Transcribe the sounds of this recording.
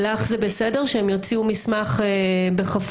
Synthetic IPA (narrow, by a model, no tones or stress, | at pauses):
laχzebesede̞ʁʃeemjot͡siumismaχebeχaf